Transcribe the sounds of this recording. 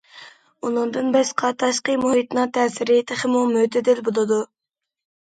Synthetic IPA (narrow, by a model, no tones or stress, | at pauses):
unɨŋd̪ɨnbɛsqʰɑt̪ʰɑʃqəmuɦit̪nɨŋt̪ʰɛːsɪɾɪt̪ʰɪχɪmumøt̪ʰɪd̪ɪlbolˠɨd̪u